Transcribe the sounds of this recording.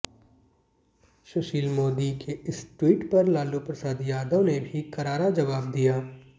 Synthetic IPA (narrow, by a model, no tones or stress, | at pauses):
ʃʊʃiːlmoːd̪ikʰeɪsʈwiːʈpɐɾlaːlupɾɐsaːd̪jaːd̪õnebʱikɐɾaːɾad͡ʒɐʋaːb̚d̪ijaː